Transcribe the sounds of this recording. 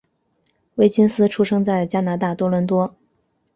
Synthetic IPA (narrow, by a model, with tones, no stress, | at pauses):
we˥˩ɪt͡ɕi˥nsɹ̩˥ʈ͡ʂʰu˥ʂɤ˥ŋt͡sa˥˩ɪt͡ɕja˥na˧˥t̪a˥˩t̪wɔ˥lwə˧˥nt̪wɔ˥